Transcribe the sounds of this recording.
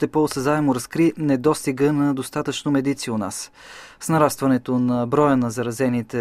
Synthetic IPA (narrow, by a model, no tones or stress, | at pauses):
t̪ɛposəzaɛmʊɾɐskɾinɛd̪ɔst̪iɡənɐd̪ost̪at̪ət͡ʃnomɛd̪it̪siʊna̰s | snɐɾast̪vɐnɛt̪onɐbɾɔjənɐzɐɾɐzɛnit̪ɛ